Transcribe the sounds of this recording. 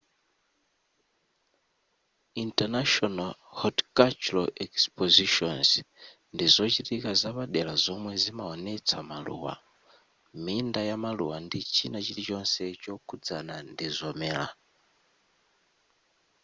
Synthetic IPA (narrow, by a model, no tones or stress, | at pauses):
intanaʃɔnalhɔdkat͡ʃuɾaɛkspɔziʃɔnz | ndizɔt͡ʃitikazaβaɗɛlazɔmwɛzimaɔnɛt͡sʰamalṵwa̰ | mindajamalṵwandit͡ʃʰinat͡ʃitit͡ʃɔnsɛt͡ʃɔkʰud͡zanandizɔmɛːla̰